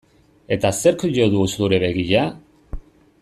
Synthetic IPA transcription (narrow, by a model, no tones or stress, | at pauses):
e̞t̪aseɾkʝoðusuɾeβe̞ɣiʝa